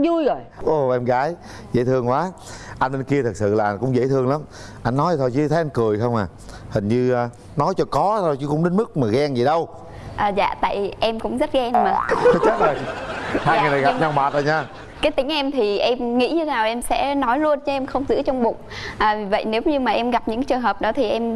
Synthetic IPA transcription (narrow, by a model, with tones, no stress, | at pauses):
zu˧jɣo˨˩jʔo˨˩ʔɛ˧mɣaː˨˦j | zə̰˧˥jt̪ʰɨ˧əŋkwaː˨˦ʔa˧jnɗe˧nki˧ət̪ʰɨ˨˩k̚sɨ̰˧˨laː˨˩ʔnkʊ̰˧˥ŋ͡mzə̰˧˥jt̪ʰɨ˧əŋla˨˦m | ʔa˧jnːɔ˨˦jt̪ʰo˧jt͡ɕi˧t̪ə˨˦jʔa˧jŋ̟kɨ˨˩əjxə˧wŋ͡maː˨˩ | hï˨˩ŋ̟ɲɨː˧ | nɔ˨˦jt͡ɕɔ˧kɔ˨˦t̪ʰo˧˩jt͡ɕɨ˨˦kʊ̰˧˥ŋ͡mɗe˨˦nmɨ˦˥k̚maː˨˩ɣɛ˧ŋzi˨˩ɗə˧w | ʔəː˨˩za̰ː˧˨t̪a̰ː˧˨jʔɛ˧mkʊ̰˧˥ŋ͡mzə˦˥t̚ɣɛ˧nmaː˨˩˨t͡ɕəː˦˥t̚ləː˨˩jhaː˧jŋɨ˨˩na˨˩ɣa˨˩p̚ɲa˧wŋ͡mɓaː˨˩t̚ə̰ː˧˩ɲaː˧ | kaː˨˦jt̪ï˨˦ŋ̟ʔɛ˧mt̪ʰi˨˩ʔɛ˧mŋḭ˧˥ɲɨ˧naː˨˩wʔɛ˧msɛ̰˧˥nɔ˨˦jlu˧ənt͡ɕɔ˨˦ʔɛ˧mxə˧wŋ͡mzɨ̰˧˥ət͡ɕɔ˧wŋ͡mɓʊ̰˧˨ŋ͡mʔəː˨˩vi˨˩və̰˧˨jne˨˦wɲɨ˧maː˨˩ʔɛ˧mɣa˨˩p̚ɲɨ̰˧˥ŋt͡ɕɨ˨˩əŋɦəː˨˩p̚ɗɔ˨˦t̪ʰi˨˩ʔɛ˧m